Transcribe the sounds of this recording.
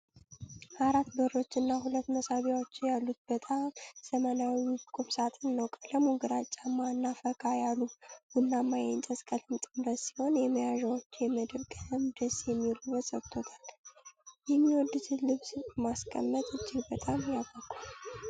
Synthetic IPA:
ʔaɾat̪bəɾo̞t͡ʃːɨnːaɦulət̪ːməsaβiwot͡ʃːɪjalːut̪̚b̥ət̪ʼamsəmənawikʼumsat̪ʼɨnːəwkʼələmuɡɨɾat͡ʃʼːamːaɨnːafəkʰʼajalːuɡ̥unːamːajɛnt͡ʃʼəskʼəlɨnt̪ʼɨmɾət̪si̥ho̞njɛməjaʒawot͡ʃːjɛməd̪əβɡʼəɨmd̪əsjɛmːiluβət̪səβt̪ʰot̪ʰal | jɛmːiwɔd̪ːɨt̪ʰɨlɨβsmaskʰʼə̰mːət̪ʼɨd͡ʒːɪɡbət̪ʼamjabəkʼal

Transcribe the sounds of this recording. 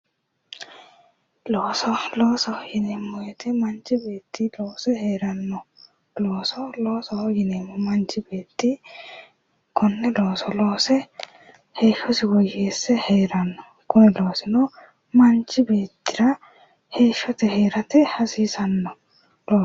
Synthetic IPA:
loːsɔloːsɔhjɪnemːɔjɛt̪ɪmɐnt͡ʃɪbe̞ːt̪ːɪloːsɛheːɾɐnːɔ | loːsɔloːsɔjɪneːmːɔmɐnt͡ʃɪbeːt̪ːɪ | kʰɔnːɛloːsɔloːsɛ | heːʃɔsɪwɔjeːsːɛheːɾɐnːɔ | kʊnɛloːsɪnɔ | mɐnt͡ʃɪbeːt̪ːɪɾɐ | heːʃɔt̪ɛheːɾɐt̪ɪhɐsiːsɐnːɔ | loː

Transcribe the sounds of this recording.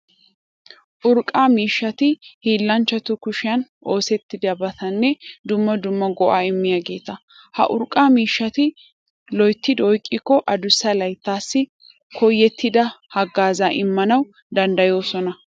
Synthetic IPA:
ʔʊɾkʼaːmiːʃːɐt̪ɪhiːlːɐnt͡ʃːɐt̪ʊkʊʃɪjɐnʔo̞ːsɛt̪ːɪd̪ɪɐbɐt̪ɐnːɛd̪ʊmːɐd̪ʊmːɐɡɔʔaːɪmːɪjaːɡe̞ːt̪ɐ | hɐ̰ʔʊ̰ɾkʼːaːmiːʃːɐt̪ɪ | lɔjt̪ːɪd̪ɔjkʼːɪkːɔʔɐd̪ʊsːɐlɐjt̪ːaːsːɪ | kʰɔjːɛt̪ːɪd̪ɐhɐɡːaːzaːʔɪmːɐnɐw | d̪ɐnd̪ɐjo̞ːsɔnɐ

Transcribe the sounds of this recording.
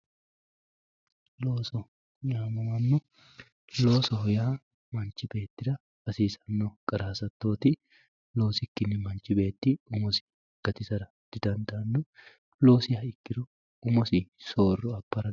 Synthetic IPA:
loːsɔ | ɲaːmɐwɐmːɔ | lo̞ːsɔhɔjaː | mɐnt͡ʃːɪbe̞ːt̪ːɪɾɐ | b̥ɐsiːsɐnːokʼɐɾaːsɐt̪ːo̞ːt̪ɪ | loːsɪkːɪnːɪmɐnt͡ʃɪbe̞ːt̪ːɪʊmɔsɪ̥ | ɡ̥ɐt̪ɪsɐɾɐ | d̪̥ɪd̪ɐnd̪ɐːnːɔ | lo̞ːsɪhɐɪkːɪɾʊ | ʊmɔsɪso̞ːrːɔɐpːɐɾɐ

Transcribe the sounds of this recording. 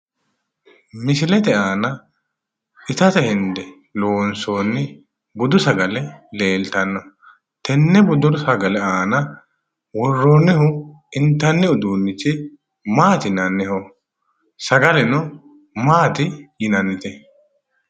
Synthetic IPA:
mɪsɪlɛt̪ɛaːnɐ | ɪt̪ɐt̪ɛhɪnd̪ɛ | lo̞ːnsoːnːɪ | bʊd̪ʊsɐɡɐlɛle̞ːlt̪ɐnːɔ | t̪ɛnːɛbʊd̪ʊɾsɐɡɐlɛaːnɐ | wɔrːoːnːɛhʊ | ɪnt̪ːɐnːɛʊd̪uːnːɪt͡ʃːɪ | maːt̪ɪnɐnːɛhɔ | sɐɡɐlɛnɔ | maːt̪ɪjɪnɐnːɪt̪ɛ

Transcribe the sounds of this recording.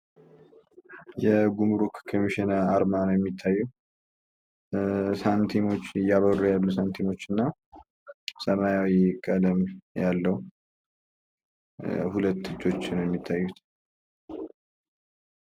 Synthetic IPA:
jɛɡumɾukkʰomiʃinaːɾmanəwjɛmːit̪ʰːajːɛ | sant̪ʰino̞t͡ʃːɪjːaβərujalːusant̪ʰimo̞t͡ʃːɨnːa | səmajawikʼəd̪əmjalːəh | hulət̪ːɨt͡ʃʼːo̞t͡ʃːɪnwjɛmːit̪ʰːajːut̪

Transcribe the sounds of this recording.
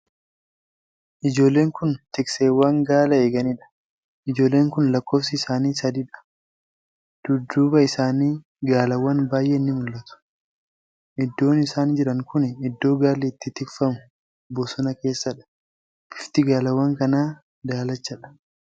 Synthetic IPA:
ʔɪd͡ʒo̞ːlːe̞ːŋkʊnt̪ɪkseːwaːŋɡaːlɐeːɡɐniᶑɐ̥ | ʔɪd͡ʒo̞ːlːe̞ːŋkʊnlɐkːoːfsɪːsaːniːsɐd̪iᶑɐ̥ | d̪̥ʊd̪ːuːbɐɪsaːniː | ɡaːlɐwːɐnbaːjʔeːɪnːɪmʊlːɐt̪ʊ̥ | ʔɪd̪ːo̞ːnɪsaːnd͡ʒɪɾɐŋkʊnɪɪd̪ːo̞ːɡaːlɛːt̪ːɪt̪ɪkfɐmʊ̥ | bɔsɔnɐke̞ːsːɐᶑɐ̥ | ɪft̪ɪɡaːlɐwːɐŋkɐnaː | d̪aːlɐt͡ʃːɐᶑɐ̥

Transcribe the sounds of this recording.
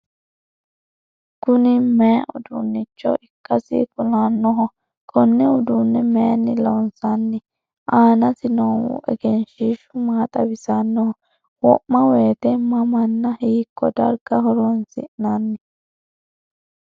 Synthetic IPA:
kʊnɪmɛɐʔʊ̰d̪unːɪt͡ʃːɔ̰ʔɪkːɐsɪ̰kʊlanːɔɦɔ | kʰʼɔnːɛʊd̪unːɛmɛjɐnːɪlɐwnsanːɪ | ʔaːnɐsɪnowʊ̰ʔɛ̰ɡɛnʃiʃʊmaːt̪ʼɐbɪsanːɔhɔ | wɔʔmːɐweːt̪ɛmɐmɐnːɐhiːkːɔd̪ɐɾɡɐɦɔɾɔnsɪ̰ʔnanːɪ

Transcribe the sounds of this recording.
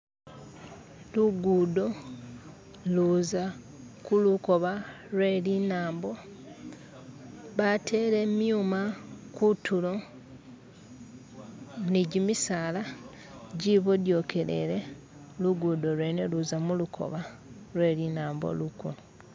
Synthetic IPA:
luɡuːdo̞ | luza | kuluko̞βa | lwe̞ːlinaːmbo̞ | βatʰe̞ɾe̞mjumakutulo̞ | niɟimisaːla | ɟiβodjo̞ːke̞le̞̰ɾe | luɡuːdo̞lweːneluzamulukʰo̞̰βa | lwe̞ːlinaːmbo̰lukṵno

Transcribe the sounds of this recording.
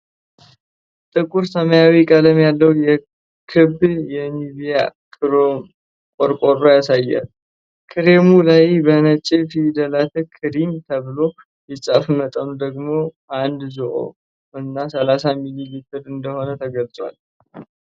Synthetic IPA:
t̪ʼɨkʼuɾsəməjawikʼələmjalːəwjɛ | kʰɨbjɛniβijakʼɨɾom | kʼoɾkʷʼoɾːojasajːa̰l | kʰɨɾemulajbənət͡ʃʼːefid̪əlat̪ʰɨkʰɨɾimt̪ʰəβɨlo̞ | jɪsʼafmət̪ʼənud̪əɡmo̞ | and̪zoʔo̰ | ɨnːasəlasamililit̪ʰɨɾɨnd̪əho̞nət̪ʰəɡəlt͡sʼwa̰l

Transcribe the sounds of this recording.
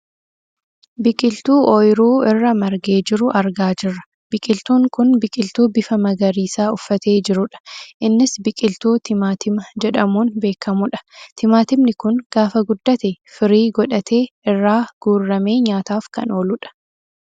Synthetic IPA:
bɪkʼɪlt̪uːʔɔjɾuːɪrːɐmɐɾɡeːd͡ʒɪɾʊʔɐɾɡaːd͡ʒɪrːɐ̥ | b̥ɪkʼɪlt̪uːŋkʊnbɪkʼɪlt̪uːbɪfɐmɐɡɐɾiːsaːʊfːɐt̪e̞ːd͡ʒɪɾʊᶑɐ̥ʔɪnːɪsbɪkʼɪlt̪uːt̪ʰɪmaːt̪ʰɪmɐd͡ʒɛᶑɐmuːnbe̞ːkʰːɐmʊᶑɐ̥t̪ʰɪmaːt̪ɪbnɪkʊnɡ̥aːfɐɡʊd̪ːɐt̪ɛfɪɾiːɡɔᶑɐt̪ʰe̞ːɪrːaːɡ̥uːrːɐme̞ːɲaːt̪aːfkɐ̰no̞ːlʊᶑɐ̥

